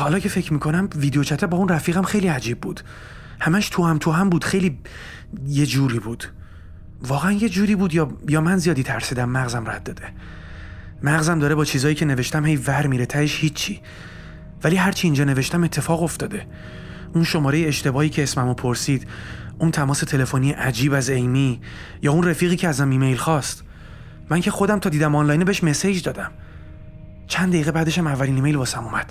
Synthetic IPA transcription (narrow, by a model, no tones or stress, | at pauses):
hɒːlɒːcʰe̞fecʰmiːkʰo̞næmviːd̪eot͡ʃʰæt̪ʰæbɒːunræfiːɣæmxe̞jliæd͡ʒiːbːuːd̪̥ | hæmæʃt̪ʰuhæmt̪ʰuɦæmbuːd̪̥χe̞jliː | je̞d͡ʒuːɾiːbuːd̪̥ | vɒːɣeænje̞d͡ʒuːɾiːbuːd̪jɒːjɒːmænzijɒːd̪iːt̪ʰæɾsiːd̪æmːæɣzæmræ̰t̪̚d̪ɒːd̪e̞ | mæɣzæmd̪ɒːɾebɒːt͡ʃʰiːzɒːjiːcʰe̞neve̞ʃt̪æmhejvæɾmiɾet̪ʰæɾeʃhiːt͡ʃʰːiː | væliːɦæɾt͡ʃʰiːnd͡ʒɒːne̞veʃt̪æme̞t̪ʰːe̞fɒːɣo̞ft̪ɒːd̪e̞ | unʃo̞mɒːɾe̞jeeʃt̪e̞bɒːhiːcʰeːsmæmopʰoɾsiːd̪̥unt̪ʰæmɒːse̞t̪ʰe̞le̞fonijeʔæd͡ʒiːbæzejmiː | jɒːunrefiːɣiːcʰeæzæmiːme̞jlxɒːst̪ | mæŋcʰe̞xo̞d̪æmt̪ʰɒːd̪iːd̪æmɑnlɒːjnebeeʃme̞sejd͡ʒd̪ɒːd̪æm | t͡ʃʰænd̪æiːɣe̞bæːd̪e̞ʃæmævːæliːniːme̞jlbɒːsæmumæd̪̥